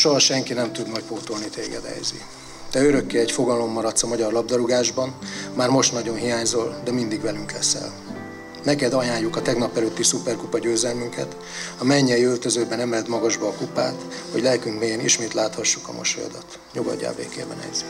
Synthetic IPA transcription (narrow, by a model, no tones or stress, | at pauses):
ʃoɦɒʃɛŋkinɛmt̪ud̪nɒc̚poːt̪olnit̪eːɡɛ̰d̪ɛ̰jzḭ | t̪ɛøɾø̞kːeːɛcfo̞ɡɒlo̞mːɒɾɒt̪sɒmɒɟɒrlɒb̚d̪ɒɾuɡaːʒbɒnmaːrmo̞ʃt̪nɒɟo̞nɦijaːɲzo̞ld̪ɛmind̪iɡvɛlyŋklɛsɛ̰l | nɛkɛd̪ɒjaːɲːukɒt̪ɛɡnɒpːɛløt̪ːisupɛrkupɒɟøːzɛlmyŋkɛ̰t̪ | ɒmɛɲːɛjiølt̪ø̞zøːbɛnɛmɛd̪mɒɡɒʒbɒːkupa̰ːt̪ | ho̞̰ɟlɛlkyŋkmeːjɛnḭʃmeːt̪laːt̪hɒʃːukɒ̰mo̰ʃo̰jɒ̰d̪ɒt̪ | ɲuɡɒ̰ɟːa̰ːbḛːkḛːbɛ̰nɛ̰jz̥i